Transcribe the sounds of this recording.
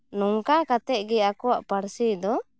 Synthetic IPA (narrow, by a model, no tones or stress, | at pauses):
nɔŋkakat̪ɛʔ̚ɡɛakɔwaʔpaɾsid̪ɔ